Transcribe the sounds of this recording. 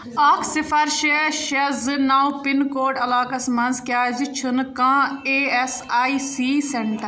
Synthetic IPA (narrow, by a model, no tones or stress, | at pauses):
aːkʰsɪfʰɐɾʃeʃɐznaːwpɪnkoːʈɐlaːkɐsmɐnzkjaːd͡ʒit͡ʃʰʊnkãːeːesaːisiːseɳʈəɾ